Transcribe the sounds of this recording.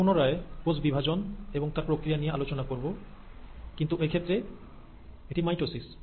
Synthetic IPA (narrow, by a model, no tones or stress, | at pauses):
onoɾaekod͡ʑbibʱad͡ʑoneboŋt̪aɾpɾokɾijanijealot͡ɕonakoɾbo | kint̪uʔekʰet̪ːɾe | eʈimajʈɾosis